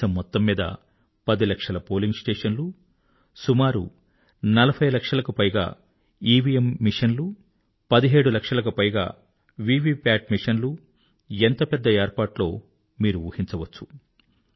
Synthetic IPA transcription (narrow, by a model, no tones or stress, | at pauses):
ɐmːɔt̪ːɐmːiːd̪ɐ̰ | pɐd̪ilɐkʂɐlɐpo̞ːliŋɡsʈeːʂɐnlu | sumaːɾṵ | nɐlɐbʰʱɐjlɐkʂɐlɐkupɐjɡa̰ː | iːʋijemːiʂɐnlu | pɐd̪iɦe̞ːɽulɐkʂɐlɐk̬upɐjɡa̰ː | ʋiːʋiːpaːʈ̚miʂɐnlu | ent̪ɐpɛd̪ːɐeːɾpaːʈlo̞ː | miːɾuʋuːhiɲt͡ʃɐʋɐt͡ʃːu̥